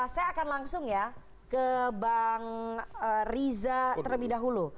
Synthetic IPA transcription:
sajaːkanlaŋsʊŋja | kəbaŋərizat̪ələbidaɦulu

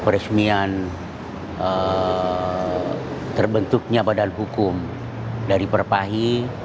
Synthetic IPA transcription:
pəɾəsmian | ə | t̪ərbənt̪uk̚ɲabadanɦukʊm | daɾipərpaɦi

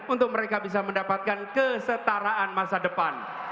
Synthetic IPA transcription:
unt̪ʊk̚məɾekabis̬aməndapat̪̚kankəsət̪aɾaʔanmasadəpan

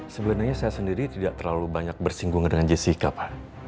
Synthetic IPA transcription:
səbənaɲasajasəndiɾit̪idaʔt̪ərlalubaɲak̚bərsiŋɡuŋdəŋand͡ʒesikapa

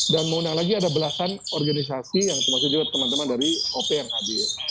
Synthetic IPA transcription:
danməundaŋlaɡiadabəlasanɔrɡanis̬asijaŋt̪ərmaks̬ʊk̚d͡ʒuɡat̪ːəmant̪əmandaɾiopeaŋhabi

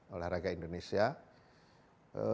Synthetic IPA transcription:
olahraɡaindonesia | ə

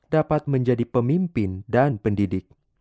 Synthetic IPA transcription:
dapat̪̚məɲd͡ʒadipəmimpɪndanpəndidɪk̚

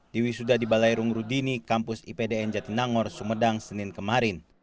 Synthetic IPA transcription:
diwisudadibalajɾuŋɾudinikampusḭpedeɛnd͡ʒat̪inaŋɔrsumədaŋsəninkəmaɾin

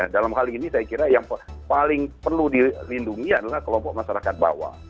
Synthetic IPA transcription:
adalamɦalinisajakiɾajaŋpalɪŋpərludilinduŋiadalahkəlɔmpɔk̚maʃaɾakat̪̚ba̰wa̰

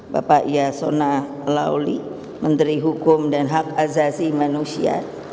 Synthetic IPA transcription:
ba̰paʔijasona | la̰wli | mənt̪ɾiɦukʊmdanɦakazasimanusia̰

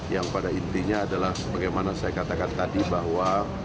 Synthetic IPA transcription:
jaŋpadaint̪iɲaːdalahsəbaɡajmanasajakat̪akant̪adibaɦwa

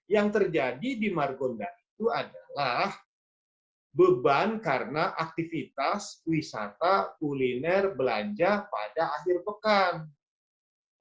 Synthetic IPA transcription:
jaŋt̪ərd͡ʒadidimarɡondaʔit̪uadalah | bəbankaɾənaʔak̚t̪ifit̪aswisa̰t̪akulinɛrbəla̰ɲd͡ʒapa̰daːxirpəkan

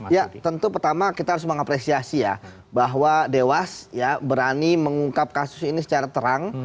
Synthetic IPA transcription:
jat̪ənt̪upərt̪amakit̪aɦaɾʊsməŋapɾesiasija̰ | baɦwadewasjabəɾaniməŋuŋkap̚kasʊ̥sinisə̥t͡ʃaɾat̪əɾaŋ

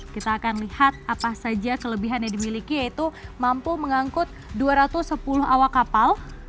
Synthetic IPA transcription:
kit̪aːkanlihat̪̚apasad͡ʒakələbiɦanjadimilikijait̪umampuməŋaŋkʊt̪̚duaɾat̪ʊsːəpulʊɦawakapal

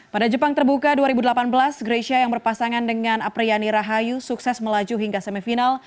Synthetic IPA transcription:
padad͡ʒəpaŋt̪ərbukaduaɾibudəlapanbəlasɡɾesiajaŋbərpasaŋandəŋanapɾianiɾaɦajusuksɛsməlad͡ʒuɦiŋɡasəmifinal

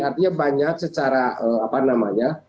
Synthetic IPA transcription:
art̪iɲabaɲak̚sət͡ʃaɾaəapanamaɲa

